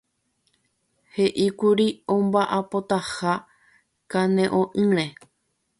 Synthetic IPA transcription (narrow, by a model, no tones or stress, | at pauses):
he̞ʔikuɾiõmbaʔapo̞t̪aha | kãnẽ̞ʔõʔɨ̃ɾ̃ẽ